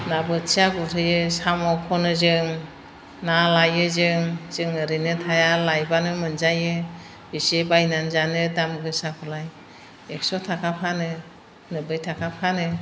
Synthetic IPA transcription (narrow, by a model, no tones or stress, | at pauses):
nabɯt͡ʃiaɡuɾʰɯjɯsamɔkʰɔnɯzɯŋ | nalajɯzɯŋz̥ɯŋɯɾɯnɯtʰajalajbanɯmɯnzajɯ | bisebajnanzanɯdamɡɯsakʰɔlaj | ek̚sɔtʰakʰapʰanɯ | nɯbɯjtʰakʰapʰanɯ